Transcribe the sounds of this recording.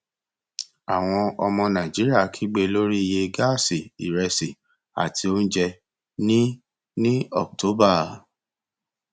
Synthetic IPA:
a˨w̃ɔ̃˧ɔ˧mɔ̃˧nã˨d͡ʒi˨˦ɾi˦a˦˨kʰi˨˦ɡ͡be˧lo˦ɾi˦˧je˧ɡa˦˨si˨i˨ɾɛ˧si˨ | a̰˨tʰi˧o˦n̩˦d͡ʒɛ˧ | nĩ˦ | nĩ˦ɔ̰˨k̚to˨˦ba˦˨

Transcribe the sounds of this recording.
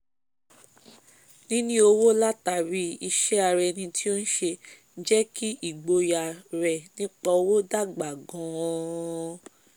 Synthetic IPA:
nĩ˦nĩ˦o˧wo˦la˦ta˧˨ɾi˧˦i˧ʃɛ˦a˧ɾɛ˧nĩ˧tʰi˦o˦n̩˦ʃe˧n̩˦d͡ʒɛ˦ki˦i˦˨ɡ͡bo˧ja˨ɾɛ˨nĩ˨˦k͡pɔ˧o˧wo˦da˦˨ɡ͡ba˨ɡɔ̃˨˦

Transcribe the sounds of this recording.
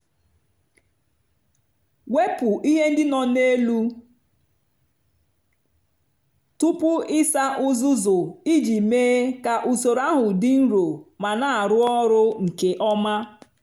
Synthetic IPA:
we˦pʊ˨ʔi˦ɦe˦n̩˦dɪ˦nɔ˨ne˦lu˦ | tu˦pʊ˦ɪ˦sa˦ʔʊ˦zʊ˦zʊ˨i˦d͡ʒi˨meː˦ka˨ʔu˨so˨ɾa˦ɦʊ˨dɪ˦n̩˦ɾo˨ma˨na˨a˨ɾʊ˦ɔ˦ɾʊ˦ŋ̩˨ke˨ʔɔ˦ma˦

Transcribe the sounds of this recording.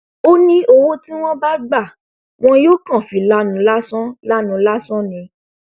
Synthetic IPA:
o˦nĩ˦o˧wo˦ti˦w̃ɔ̃˦ba˦ɡ͡ba˦˨ | w̃ɔ̃˦joː˦kã˦˨fĩ˨la˦nũ˨˧˦la˦sɔ̃˦la˦nũ˨˦la˦sɔ̃˦nĩ˧

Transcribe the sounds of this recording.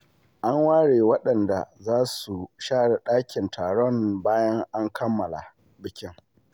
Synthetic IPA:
ʔa˦ŋwaː˦ɽeː˨wɐ˦ɗɐ˨nda̰˨zaː˦su˨ʃaː˦ɽa˨ɗaː˦kʲɪ˨ntʰaː˨ɽɔ˦ŋbaː˦jɐ˦ŋʔa˦ŋkʰɐ˦mːɐ˨la̰˨ | bɪ˨kʲɪ˦ŋ

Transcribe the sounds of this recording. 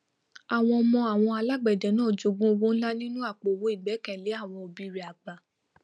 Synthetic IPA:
a˨w̃ɔ̃˧ɔ˧mɔ̃˧a˨w̃ɔ̃˧a˧la˦ɡ͡bɛ˨dɛ˨˦nãː˦˨d͡ʒo˨˧ɡũ˦o˧ɡũ˦la˦nĩ˦nũ˦a˦˨k͡po˨wo˨˦i˦˨ɡ͡bɛ˨˦kɛ̃˦˨le˨˦a˦˨w̃ɔ̃˧o˧bi˦ɾi˨a˨ɡ͡ba˨

